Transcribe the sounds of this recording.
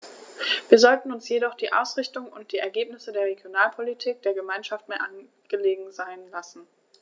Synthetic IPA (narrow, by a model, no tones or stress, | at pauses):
viːɐzɔltn̩ʊnsjeɾɔχd̥iːʔa̰ʊsʁ̥ɪçtʊŋʊnt̚d̥iːɛɐɡeːpnɪsədeːɐʁ̞eɡjonaːlpʰolitʰiːk̚d̥eːɐɡəmaɪnʃaftmeːɐʔan | ɡ̥əleːɡŋ̩zaɪnlasn̩